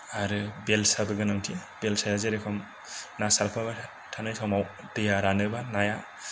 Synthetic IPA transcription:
aɾɯbelsabɯɡɯnaŋtʰibelsajazeɾekʰɔm | nasalkʰɔma | tʰanɯjtʰɔmaw | dɯjaɾanɯbanaja

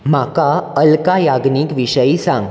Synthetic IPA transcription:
makaəlkajaɡniːkʋiɕəjisãŋɡ

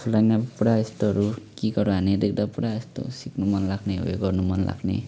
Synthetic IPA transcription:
pʰulajnapuɽaest̪oɦʌɾukiɡʌɾuɦaned̪ek̚d̪apuɽaest̪o̰siknumʌnlaɡneɦo̰eɡʌrnumʌnla̰ɡnḛ

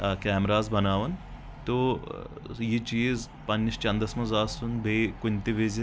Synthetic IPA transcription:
kʲɛːmɾaːzbɐnaːʋɐn | t̪o | jit͡ʃiːz | pɐnːist͡ʃɐ̃nd̪ɐsmɐzaːsunbʱekʊnʲt̪iʋeːzʲi

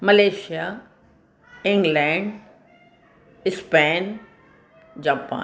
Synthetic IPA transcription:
mɐleːʃija | ɪ̃ŋɡlɛ̃ːɳɖ | ɪspɛːn | d͡ʑaːpa̰ː

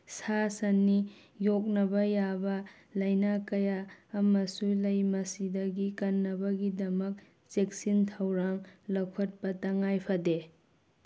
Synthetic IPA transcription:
sasɐnːi | jok̬̚nɐbɐjabɐ | lɐjnakɐjaːmɐsulɐjmɐsidɐɡikɐnːɐbɐɡidɐmɐk̚ | t͡ʃek̚sintʰɐwɾaŋlɐkʰɐt̚pɐtɐŋajpʰade

